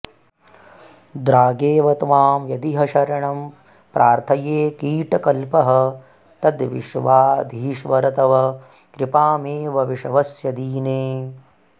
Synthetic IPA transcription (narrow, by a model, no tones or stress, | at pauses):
d̪ɾaːɡeːʋɐt̪ʋaːmjɐd̪iɦɐʃɐɾɐɳɐm | pɾʔaːɾt̪ʰɐjeːkiːʈɐkɐlpɐɦɐ̆ | t̪ɐd̪ʋiʃʋaːd̪ʱiːʃʋɐɾɐt̪ɐʋɐ | kɾɪpaːmeːʋɐʋiʃɐʋɐsjɐd̪iːneː